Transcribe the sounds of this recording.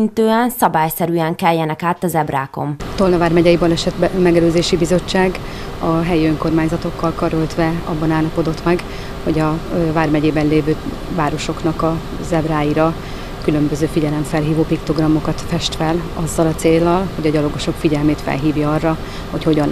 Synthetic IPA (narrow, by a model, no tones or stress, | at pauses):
nt̪øːɛnsɒbaːjsɛɾyɛŋkɛljːɛnɛkaːt̪ɒzɛbra̰ːko̞̰mt̪o̞lnɒvaːrmɛɟɛjibɒlɛʃɛt̪mɛɡɛløːzeːʃibizo̞t͡ʃːaːɡ | ɒɦɛjiøŋko̞rmaːɲzɒt̪o̞kːɒlkɒɾølt̪ʋɛɒ̰bːɒnaːlːɒpo̞d̪o̞t̪mɛɡ | ho̞ɟɒvaːrmɛɟeːbɛnleːvøː | vaːɾo̞ʃo̞kn̪ɒkɒ | zɛbraːjiɾɒ | kylø̞mbø̞zøːfiɟɛlɛɱfɛlɦiːvoːpikt̪o̞ɡrɒmːo̞kɒt̪fɛʃt̪fɛlɒzːɒlɒt̪seːlːɒlho̞ɟɒɟɒlo̞ɡo̞ʃo̞kfiɟɛlmeːt̪fɛ̰lɦiːvjɒɒrːɒ | ho̞cho̞ɟɒn